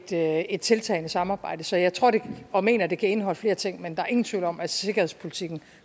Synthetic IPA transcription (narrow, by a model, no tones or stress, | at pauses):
d̥e̝d̥̚t͡sʰe̝lt͡sʰɛ̰ɪnəsɑ̈mɑ̈ːb̥ɑ̈ɪ̰d̥əsɒ̽jɑ̈ɪt͡sʰʁo̝ɐ̰d̥e̝ɒ̽me̝̰ːnɐd̥e̝kʰæe̝nəɦɒ̽l̰əfle̝ːɐt͡sʰe̝ŋ̰mend̥ɑ̈æɐe̝ŋn̩t͡sʰḭːlɒ̽mʔæse̝ɡ̥ɐheð̰ˠspʰolit͡sʰiɡ̥n̩